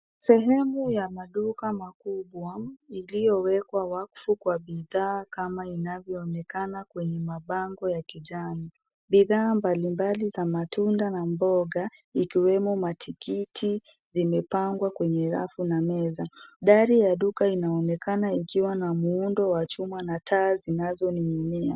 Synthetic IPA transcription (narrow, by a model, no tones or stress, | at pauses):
sɛɦɛmujamaɗukamakuɓwailijɔwɛkwawakfukwaɓiðaːkamainavjɔːnɛkanakwɛɲɛmaɓaŋɡɔjakiʄani | ɓiðaːmbalimbalizamatundanambɔɠa | ikiwɛmɔmatʰikitʰi | zimɛpaŋɡwakwɛɲɛɾa̰funamɛzaɗaɾijaɗukainaɔnɛkanaikiwanamuundɔwat͡ʃumanatʰaːzinazɔniɲimia